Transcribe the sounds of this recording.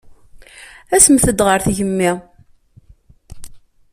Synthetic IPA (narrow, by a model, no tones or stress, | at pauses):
æsəmθəd̪ʁəɾθʝəmːi